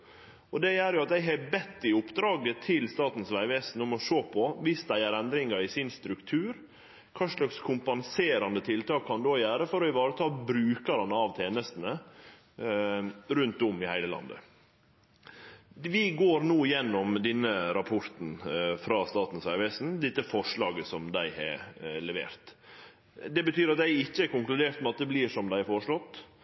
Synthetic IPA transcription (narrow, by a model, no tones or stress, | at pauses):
ɔd̪ɛjæːɾjʊɑt̪d̪æɪɦɑbɛt̪ːɪʊpːd̪ɾɑːɡət̪ʰɪlst̪ɑːt̪n̩sʋæɪʋeːsn̩ʊmɔʂoːpʰɔʋɪsd̪æɪæɾɛnd̪ɾɪŋɑɾɪsɪnst̪ɾʉkt̪ʰʉːɾ | kʰɑːʂlɑkskʰʊmpɑnseːɾɑnd̪ət̪ʰɪlt̪ɑːkʰːɑnd̪oːjæːɾəfɔɾɔɪʋɑːɾət̪ʰɑːlbɾʉːkɑɾɑnɑʋt̪ʰeːnəst̪ənə | ɾʉnt̪ʊmɪhæɪləlɑ̰nd̪ə̰ | ʋɪɡoːɾnuːɪjɛnːɔmd̪ɛnːəɾɑpʰɔɾt̪n̩fɾɑst̪ɑːt̪n̩sæʋɛsn̩d̪ɪt̪ːəfɔʂɭɑːɡəsɔmd̪æɪhɛ̰ɾlɛʋḛːɾt̪ | d̪ɛbət̪yːɾɑt̪̚d̪æɪɪçːəæɾkʊŋklʉd̪eːɾt̪mɛɑt̪̚d̪ɛbliːʂɔmd̪æɪfɔʂɭɔt̪ː